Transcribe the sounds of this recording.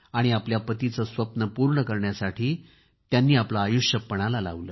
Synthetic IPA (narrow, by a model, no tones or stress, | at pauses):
aɽ̃iapljapət̪it͡səsʋəpnəpuɾɳəkəɾɳjasaʈʰiː | t̪janːiːaplaːjuʂjəpːəɽ̃alala̰ʋləː